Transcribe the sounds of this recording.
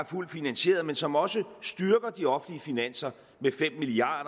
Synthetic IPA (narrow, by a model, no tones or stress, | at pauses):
æɐful̰d̥finænɕe̝̰ːɐð̩ˠmensɒ̽mɒ̽səsd̥yɐɡ̥ɐd̥iɒ̽fn̩liəfinæn̰sɐ | mefem̰miliɑ̰̈ːd̥ɐ